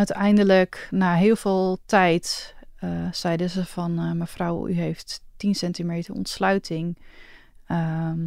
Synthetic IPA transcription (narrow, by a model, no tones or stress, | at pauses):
œɥtʰɛjndələknaːɦɪəlˠvɪːlˠtʰɛjt | sɛjdəsəfɔnmɛfrawy̰ɦejfttinsɛntimeːtərɔ̰ntslœɥtʰɪŋ | ə